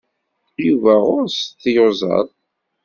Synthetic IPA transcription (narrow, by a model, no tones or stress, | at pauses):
juvæʊɾsθjozˤɑ̰ðˤ